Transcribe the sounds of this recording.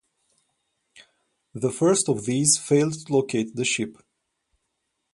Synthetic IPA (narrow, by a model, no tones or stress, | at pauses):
ðəfɜ˞stɔvðiz̥feɪlˠd̚tʰulokʰeɪt̪̚ðəʃɪp